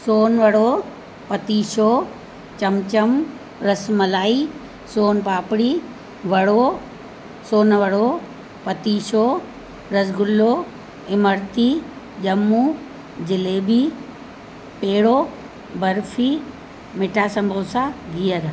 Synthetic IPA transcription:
soːnʋɐɽo | pɐt̪iːʃoː | t͡ɕɐmt͡ɕɐm | ɾɐsmɐlaːiː | soːnpaːpɽiː | ʋɐɽoː | soːnʋɐɽo | pɐt̪iːʃo | ɾɐsɡʊlːo | ɪməɾt̪i | ʄɐmːuː | d͡ʑɪleːbiː | peːɽoː | bɐɾfʰiː | mɪʈʰaːsɐ̃mbʱoːsaɡiːəɾ

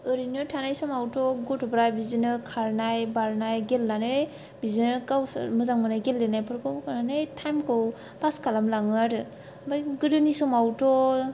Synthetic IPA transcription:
ɯɾinɯtʰanajsɔmawtɔɡɔtɔbɾajbizinɯkʰaɾnajbaɾnajɡelːanɯj | bizinɯkawmɯzaŋmɯnajɡelːenajpʰɯɾkɯwkananɯjtʰajmkɯw | pʰaskalamlaŋɯɾɯ | bajɡɯdɯnisɔmawtɔ

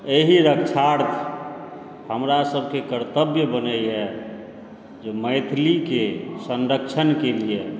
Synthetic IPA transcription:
eɦiɾəkt͡ʃʰaɾt̪ʰ | həmɾasəbʱkekəɾt̪əbjəbənəjɦɛ | d͡ʒeməɪt̪ʰlikesənɾəkt͡ʃʰənkelie

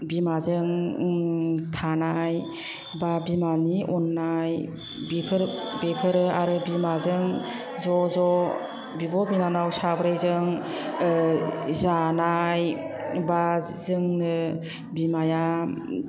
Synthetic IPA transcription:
bimazɯŋ | tʰanaj | babimaniʔɔnːaj | bipʰɯɾbepʰɯɾɯaɾɯbimazɯŋ | zɔzɔ | bibɔbinanawsabɾajzɯŋ | zanaj | ba | zɯŋnɯ | bimaja

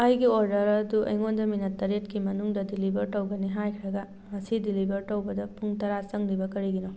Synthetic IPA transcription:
ɐjɡioɾdɐɾɐduʔɐ̰jŋondɐminɐtːɐɾetkimɐnuŋdɐdilibʱɐɾtɐwɡɐniɦajkʰɾɐɡɐ | mɐsidilibʱɐɾtɐwbɐdɐpʰuŋtɐɾat͡ʃɐŋlibɐkɐɾiɡino

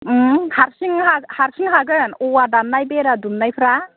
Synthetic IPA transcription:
haɾsiŋɦahaɾsiŋɦaɡɯnɔwadanːajbeɾadumnajpʰɾa

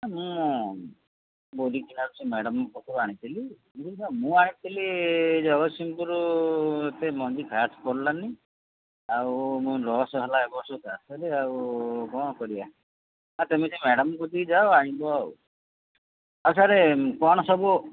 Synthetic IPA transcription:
amũ | boɾikinaɾusemeɽɔmkɔt̪ʰiɾaɽ̃it̪ʰili | imt̪iisamũaɽ̃it̪ʰilid͡ʒɔɡɔt̪simpuɾuet̪emɔnd͡ʒikʰaskɔɾlani | awmũɾɔsɔɦelaekɔsɔkasɔɾeawkɔɽ̃ɔkɔɾia | at̪emisemeɽɔmkɔt̪id͡ʒaoaɽ̃ĩbɔaw | ausaɾekɔɽ̃ɔsɔbu

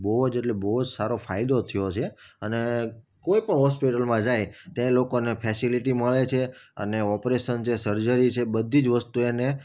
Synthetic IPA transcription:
bəɦod͡ʒeʈlebəɦod͡ʒsaɾofaid̪ot̪ʰəjot͡ʃʰeəne | koipəɳɦɔspiʈəlmãd͡ʒajt̪ẽlokonepʰesiliʈiməɭet͡ʃʰeə̰neɔpɾeʃənt͡ʃʰesəɾd͡ʒəɾit͡ʃʰebəd̪ʱːid͡ʒʋəst̪uene

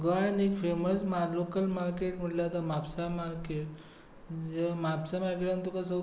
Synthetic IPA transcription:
ɡəanekfeməsmalokəlmaɾkeʈm̤əɽlat̪amapsamaɾkeʈ | d͡ʑemapsamaɾkeʈant̪ɔkasə

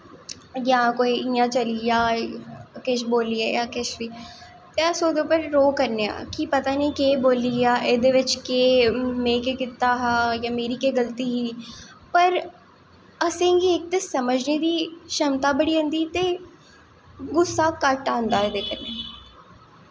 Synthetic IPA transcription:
jãːkoːiːɪjãːt͡ʃəliaː | kɪʃ̬boːliːɛːjaːkɪʃʋiː | t̪eːəsoːd̪eʊpəɾːoːkəɾneːã̰ːkipət̪aːniːkeːboːliːaːʔeːd̪eːʋɪt͡ʃkeːmẽːkeːkɪt̪ːaːɦajãːmeːɾiːkeːɡəlt̪iːɦiːpəɾ | əsẽːɡiːɪk̚t̪eːsəməd͡ʒneːd̪iːʃəmt̪aːbəɽiːɦə̃nd̪iːt̪eː | ɡʊsːaːkəʈãːnd̪aːed̪eːkəɾneː

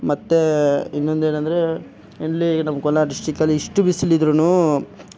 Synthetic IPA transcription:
mɐt̪ːe̞inːond̪e̞ːnɐnd̪ɐɾe̞ | inːinɐmːɐkɔlaːʈisʈikːɐlːiːʂʈubisilid̪ɾunuː

